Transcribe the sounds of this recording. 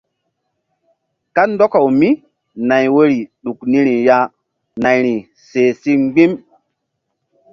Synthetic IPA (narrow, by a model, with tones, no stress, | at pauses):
ka˦ndɔ˦ka˨wmi˦ | na˨jwe˦ɾi˨ɗu˨kni˦ɾi˨ja˦ | na˨jɾi˨ | se˨si˦ŋ͡mɡ͡bi˦m